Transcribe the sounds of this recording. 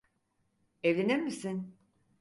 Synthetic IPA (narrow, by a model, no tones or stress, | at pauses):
evlʲeniɾmisin